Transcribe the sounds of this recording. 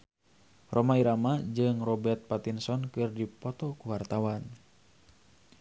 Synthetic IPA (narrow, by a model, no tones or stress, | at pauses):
rʔɔmaiɾamad͡ʒɨŋrɔbɛrt̪̚pat̪insɔnkɨrdipɔt̪ɔkuwart̪awan